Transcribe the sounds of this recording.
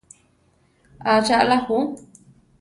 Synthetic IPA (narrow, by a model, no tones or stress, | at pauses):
at͡ʃaʔlahu